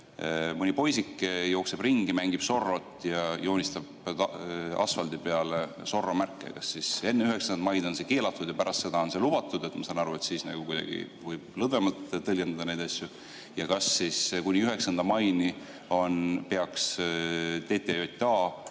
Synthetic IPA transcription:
mɯnʲipo̞jsikːjo̞ːkse̞b̥riŋɡimæŋɡ̥ib̥so̞rːo̞t̪ːˑjɑjo̞ːnʲist̪ɑb̥̪ | ɑ̰sfɑld̪̥ipe̞ɑle | so̞rːomærkːˑḛkɑsːise̞nːeyɦe̞ksɑnd̪mɑjd̪̥o̞nse̞ke̞ːlɑt̪ˑːud̪jɑpæɾʔɑst̪se̞d̪ɑo̞nse̞lub̥ɑt̪ːˑud̪̥e̞t̪mɑsɑnɑɾuet̪siːsnɑ̰ɡ̥ukujd̪ɑ̰ɡ̥ḭvɤjb̥lɤd̪vemɑlt̪t̪ːɤlʲɡend̪ɑd̪ɑnejd̪̥ɑsʲju | jɑkɑsːiskunʲiyɦe̞ksɑnd̪ɑmɑjni | o̞npe̞ɑks | t̪e̞ːt̪ːejot̪ʲt̪ɑː

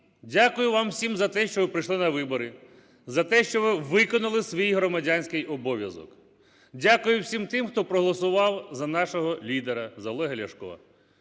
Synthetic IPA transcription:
dʲakʊjʊʋɑmwsʲimzɐt̪ɛʃt͡ʃɔʋɪpɾɪjʃlˠɪnɐʋɪbɔɾɪ | zɐt̪ɛʃt͡ʃɔʋɪʋɪkɔnʊlˠɪsʲʋʲijɦɾɔmɐdʲanʲsʲkɪjɔbɔʋʲjɐzɔ̰k | dʲakʊjʊwsʲimt̪ɪmxt̪ɔpɾɔɦɔlˠɔsʊʋɑwzɐnɑʃɔɦɔlʲid̪eɾɐzɐlˠɔɦelʲɐʃkɔ̰ɐ̰

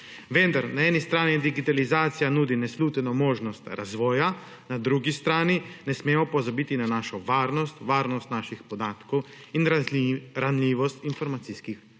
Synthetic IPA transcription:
ʋend̪aɾnaɛːnist̪ɾaːnid̪iɡit̪alizaːt̪sijanuːd̪inɛsluːt̪ɛnɔmoːʒnɔst̪ɾazʋɔːja | nad̪ɾuɡist̪ɾaːninɛsmeːmɔpɔzabiːt̪inanaːʃɔʋaːɾnɔst̪ʋaːɾnɔst̪naːʃixpɔd̪aːt̪kɔw | in | ɾanliːʋɔst̪infɔɾmat̪siskix

